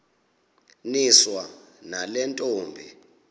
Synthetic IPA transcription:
niswa | nalɛntʼoːmbʱḭ

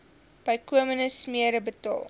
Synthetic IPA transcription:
b̥ɐjkuəmənəsmiəɾəbətɑ̰ːlˠ

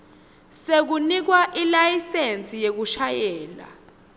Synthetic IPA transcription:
sek̬unik̬waʔilajisent͡sʼijek̬uʃajɛːla̰

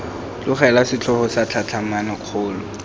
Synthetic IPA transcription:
lʊχɛlasɪt͡ɬʰɔhɔsat͡ɬʰat͡ɬʰamanaq͡χʰʊːlʊ

